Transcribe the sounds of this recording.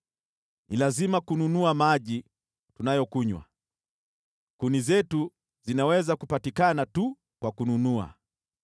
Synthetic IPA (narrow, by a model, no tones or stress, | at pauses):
nilazimakununuamaʄi | tunajɔkuɲwa̰ | kunizɛtu | zinawɛzakupatikanatu | kwakununua̰